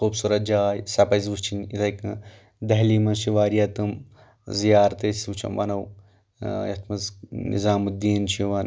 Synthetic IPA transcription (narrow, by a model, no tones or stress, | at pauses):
xuːbsuːɾɐt̪̚d͡ʒaːjsɐpɐzʋust͡ʃʰinit̪ʰɐjkɐ | d̪ɐɦlimɐnʃiʋaːɾijɐt̪ɨm | zijaːɾt̪esut͡ʃʰɐ̰mʋɐ̰nɐw | jɐt̪ʰmɐznḭzaːmud̪iːnt͡ʃʰiʋɐn